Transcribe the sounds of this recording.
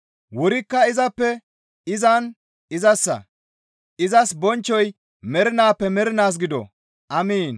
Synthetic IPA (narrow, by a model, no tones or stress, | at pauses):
wɔɾɪkːɐɪzɐpːɛ | ɪzɐn | ɪzɐsːɐ̰ | ʔɪzɐsbɔnt͡ʃːɔj | mɛɾɪnaːpːɛmɛɾɪnaːs̬ɡɪd̪ɔ̰ | ʔɐmiːn